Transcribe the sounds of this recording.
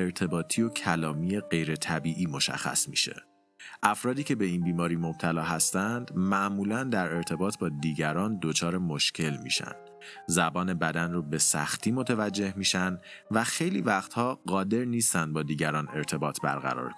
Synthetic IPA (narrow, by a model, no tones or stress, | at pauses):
eɾt̪ʰe̞bɒːt̪ʰio̞cʰælɒːmije̞ɢe̞jɾe̞t̪ʰæbiːʔiːmo̞ʃæ̰xːæ̰smḭːʃe̞̰ | ʔæfɾɒːd̪iːcʰe̞be̞iːnbiːmɒːɾiːmo̞b̥̚t̪ʰælɒːɦæst̪ænd̪mæʔmuːlænd̪æɾe̞ɾt̪ʰe̞bɒːt̪ʰbɒːd̪iːɟæɾɒːnd̪o̞t͡ʃʰɒːɾe̞mo̞ʃcʰe̞lmḭːʃæ̰nd̪ | zæbɒːne̞bæd̪ænrobe̞sæ̰xt̪ʰiːmo̞t̪ʰevæd͡ʒːe̞hmiːʃænvæxe̞jlḭːvæχt̪hɒːɢɒːd̪e̞ɾniːst̪ænd̪̚bɒːd̪iːɟæɾɒːne̞ɾt̪ʰe̞bɒːt̪ʰbæ̰ɾɣæ̰ɾɒ̰ːɾkʰo